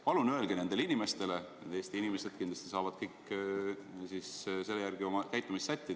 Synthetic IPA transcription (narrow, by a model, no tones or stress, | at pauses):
pɑlunøelɡ̥ene̞nd̪e̞linime̞st̪e̞le̞et̪eːst̪iinime̞se̞d̪̥̚kind̪lɑst̪isɑːvɑd̪̥kɤjkːˑ | sisse̞lːejæɾɡ̥io̞mɑkæjt̪ːˑumisːæt̪ʲːid̪